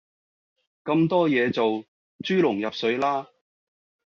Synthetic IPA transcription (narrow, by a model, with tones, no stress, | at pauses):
kɐ˧mt̪ɔː˥jɛː˨˧t͡so˨w | t͡ʃyː˥lʊ˨˩ŋjɐ˨p̚sɵ˨˥ɥlaː˥